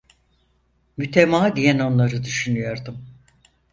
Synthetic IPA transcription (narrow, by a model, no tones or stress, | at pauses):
myt̪ʰemaːd̪ijɛno̞nlˠaɾɯd̪yʃynyjo̞ɾd̪um